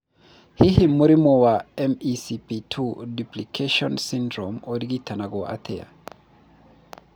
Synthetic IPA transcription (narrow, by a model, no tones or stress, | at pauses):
hiɦimuɾimɔwaɛmisipitʰudiplikʰeʃɔnsindɾɔmodiɡitʰanaɡɔʔa̰tʰɛja̰